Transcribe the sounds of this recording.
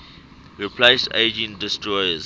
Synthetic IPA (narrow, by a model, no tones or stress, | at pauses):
ɹipʰleɪstḛɪd͡ʒə̃ndɪstɹɔjəz